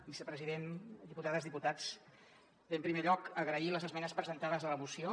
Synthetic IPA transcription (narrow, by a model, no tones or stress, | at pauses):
bisəpɾəziðend̪iput̪aðəzðiput̪at͡s̪ | empɾimeʎɔkəɣɾəiləzəzmɛnəspɾəzənt̪aðəzðələmusio